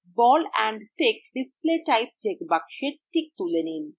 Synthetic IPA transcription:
bɔlɛɳɖtekɖispleʈajp̚t͡ɕekbakʃeɾʈʰik̚t̪ulenin

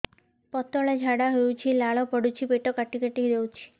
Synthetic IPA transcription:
pɔt̪ɔɭed͡ʒʱaɽaɦeut͡ʃʰilaɭɔpɔɽut͡ʃʰipeʈɔkaʈikaʈid̪ewt͡ʃʰi̥

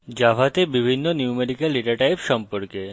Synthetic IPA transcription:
d͡ʒabʱat̪ebibʱinːonjumeɖikelːiʈəɾʈajpʃɔmpɔɾke

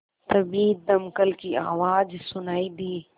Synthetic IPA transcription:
t̪ɐbiːd̪ɐmkəlkia̰ːʋaːd͡ʒsʊnaːid̪iː

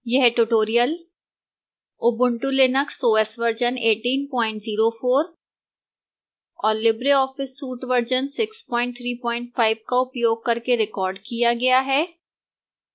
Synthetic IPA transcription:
jɛɦʈuʈoːɾijəl | ʊbʊ̃ɳʈulenəksoːɛsʋəɾd͡ʒəneːʈiːnpɔ̃ːɪ̃ɳʈziːɾofoːɾ | ɔːɾlɪbɾeɔːfɪsːuːʈʋəɾd͡ʒənsɪkspɔ̃ːɪ̃ɳʈ̚t̪ʰɾiːpɔ̃ːɪ̃ɳʈfaːɪb̚kaʊpjoːɡ̚kɐɾkeɾɪkɔːɾɖkijaɡɐjaɦɛː

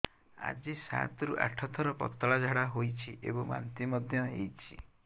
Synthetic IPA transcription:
a̰d͡ʒisa̰t̪ɔɾuʔa̰ʈʰɔt̪ʰɔɾɔpɔ̰t̪ɔɭad͡ʒʱaɽaɦojt͡ʃʰiʔḛbɔŋba̰nt̪imɔd̪ʱjɔejt͡ʃʰḭ

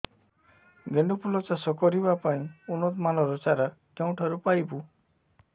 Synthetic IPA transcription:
ɡeɳɖupulɔt͡ʃasɔkɔɾibapaĩunɔt̪manɔɾɔt͡ʃaɾakeũʈʰaɾupajbu

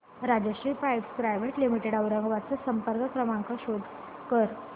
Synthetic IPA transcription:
ɾad͡ʑəɕipajbskɾajʋeʈlimiʈeɽaʋɾəŋɡʋat͡səsəmpəɾkəkɾəmãŋkəɕod̪ʱ | kəɾ

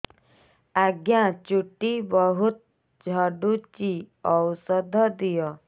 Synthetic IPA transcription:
aɡjãt͡ʃuʈibɔɦut̪̚ | d͡ʒʱɔɖut͡ʃiɔwsɔd̪ʱɔd̪ijɔ

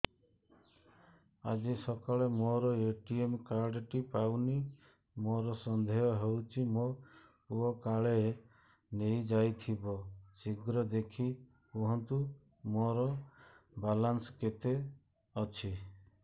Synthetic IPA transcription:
a̰d͡ʒisɔkaɭemoɾɔeʈiemkaɾɖʈipawni | moɾɔsɔnd̪ʱejɔɦewt͡ʃʰimopuɔkaɭe | nejd͡ʒajt̪ʰibɔsiɡɾɔd̪ekʰi | puɦɔnt̪u | moɾɔbalansket̪e | ɔt͡ʃʰi

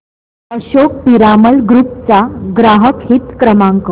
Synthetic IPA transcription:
əɕok̚piɾaməlɡɾup̚t͡saɡɾaɦəkɦit̪kɾəmaŋkə

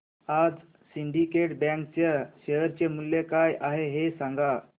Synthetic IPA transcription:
ad͡z | siɳɖikeʈbɛ̃ŋkt͡ɕeɕeɦəɾt͡ɕemulːjekajʔaɦeɦesãŋɡa

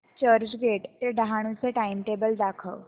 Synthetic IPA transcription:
t͡ʃəɾd͡ʒɡeːʈt̪eɖaɦaɽ̃ũseʈaːɪimʈeːbəld̪aːkʰəʋ

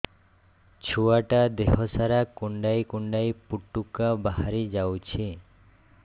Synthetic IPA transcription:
t͡ʃʰuaʈad̪eɦɔsaɾakuɳɖajkuɳɖajpuʈːukabaɦaɾid͡ʒawt͡ʃʰi

